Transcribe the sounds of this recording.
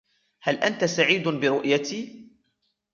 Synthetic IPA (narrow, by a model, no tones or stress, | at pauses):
halʔant̪asaʕiːd̪bɪɾʊʔjat̪iː